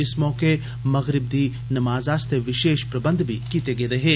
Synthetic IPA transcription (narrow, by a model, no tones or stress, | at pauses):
ɪsmɔːke | mɐɣɾɪb̚d̪iː | nɐmaːzaːst̪ʰeʋɪʃeːʃpɾɐbɐ̃nd̪ʱbʱikiːt̪eɡeːɾɐɦeː